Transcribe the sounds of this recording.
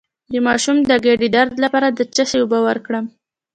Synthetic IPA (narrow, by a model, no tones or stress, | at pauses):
d̪əmɑʃumd̪əɡeɖid̪aɾd̪lapɑɾad̪ət͡ʃasewobawəɾkɽəm